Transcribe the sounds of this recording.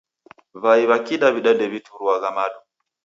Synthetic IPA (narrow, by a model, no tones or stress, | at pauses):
vaiβakiɗaβiɗadɛβitʰuɾuaɣamaɗu